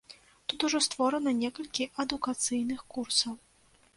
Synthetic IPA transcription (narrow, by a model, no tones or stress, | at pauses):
t̪ut̪uʐɔst̪vɔɾɐnɐnʲɛkɐlʲkʲiʔɐd̪ukat̪sɨjnɨxkursɐw